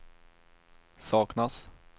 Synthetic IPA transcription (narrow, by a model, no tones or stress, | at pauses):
sɑːknas